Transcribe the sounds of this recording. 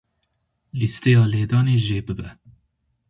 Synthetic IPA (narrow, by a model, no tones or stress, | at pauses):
list̪ejɑːleːd̪ɑːneːʒeːbɨbɛ